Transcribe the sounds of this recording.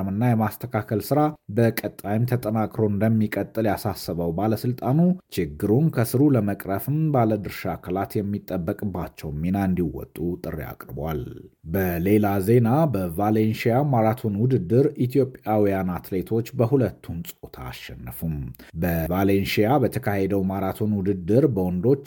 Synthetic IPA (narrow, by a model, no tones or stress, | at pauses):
mɨnːajɛmast̪ʰəkʰakʰəlsɨɾabəkʼət̪ʼːajɪmt̪ʰət̪ʼənakʼɾo̞ɨnd̪əmːikʼət̪ʼːɨljasasːəβəwbaləsɨlt̪ʼanut͡ʃɪɡːɨɾunkʰəsɨɾuləməkʼɾəfɨmbaləd̪ɨɾʃakʰəlat̪jɛmːit̪ʼːəbːəkʼɨbːat͡ʃːɛwmːinand̪iwɔ̰t̪ʼːut̪ʼɨrːa̰kʼɾbwa̰lbəle̞laze̞nabəvalenʃijamaɾat̪ʰo̞nwʊd̪ɨd̪ːɨɾit̪ʰjo̞pʼjawijanat̪le̞t̪ʰo̞t͡ʃːbəɦulət̪ʰːunsʼot̪ʰa̰ːʃɛnːəfumbəvalenʃijabət̪ʰəkʰahe̞d̪əwmaɾat̪ʰo̞nwʊd̪ɨd̪ːɨɾbəwɔnd̪o̞t͡ʃː